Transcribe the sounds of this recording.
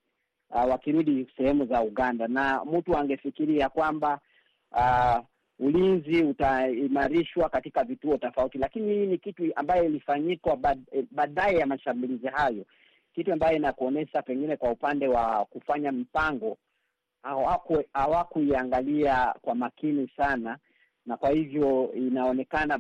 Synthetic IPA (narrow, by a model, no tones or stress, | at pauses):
wakiɾuɗisɛhɛmuzauɠandanamm̩tuaŋɡɛfikiɾiakwamba | ulinziutaimaɾiʃwakatikavituɔtɔfautilakinihiːnikitua̰mbajɔilifaɲikwaɓaːɗaɛjamaʃambulizihajɔ | kituambajɔinakuɔnɛʃapɛŋɡinɛkwaupandɛwakufaɲam̩paŋɡɔ | aakhawakuiaŋɡaliakwamakinisana | nakwahivjɔinaɔnɛkana